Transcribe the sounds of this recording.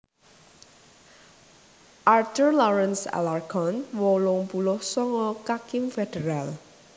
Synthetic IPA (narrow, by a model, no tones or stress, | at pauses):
ʔart̪ərlɔɾɛnsa̰larɡɔnwolʊŋpulʊhsɔŋɔkakɪmfed̥əɾal